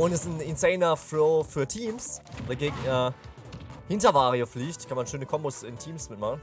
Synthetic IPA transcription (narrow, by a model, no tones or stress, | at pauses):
ʔʊntɛsn̩ɪnseɪnɐfloːfyːɐtʰiːmsveːɡeːɡɛ | hɪntɐvaːʁiofliːçtkʰanmanʃøːnəkʰɔmbʊsɪntʰiːmsmɪtmaχn̩